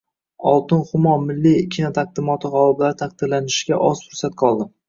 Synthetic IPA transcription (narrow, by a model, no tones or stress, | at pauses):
ɒlˠt̪ɪnχʊmɒmɪlːikʲʰinat̪ʰaq̚d̪ɪmɒt̪ʰɪʁɒlˠɪblaɾɪt̪ʰaq̚d̪̥ɪɾlanɪʃɪɡʲaʔɒsfʊɾsat̪̚qʰɒlˠd̪ɪm